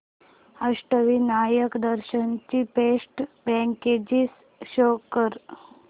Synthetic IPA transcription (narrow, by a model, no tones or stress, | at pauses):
əʂʈəʋinajəkd̪əɾɕənt͡ɕipesʈbɛ̃ŋked͡ʑis | ɕokəɾ